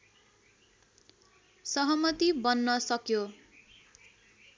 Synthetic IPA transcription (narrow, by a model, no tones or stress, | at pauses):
sʌɦʌmʌt̪ibʌnːʌsʌkjo